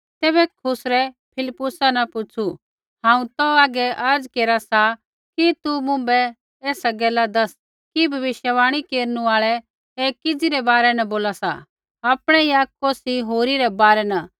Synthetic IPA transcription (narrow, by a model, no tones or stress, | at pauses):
t̪ɛːbɛkʰʊsɾɛ | pʰɪlɪpːʊsanɐpʊt͡ʃʰu | ɦãːũt̪ɔaːɡɛʔɐɾd͡zkeːɾasa | kit̪umʊ̃mbɛ | eːsaɡɛːlad̪ɐs | kibʱɐʋɪʃjəʋaːɽ̃ikeːɾnũaːɭɛ | eːkːɪd͡ziɾɛbaːɾɛnɐboːlasa̰ | aːpɽ̃ɛiaːkkoːsiɦoːɾiɾɛbaːɾɛnɐ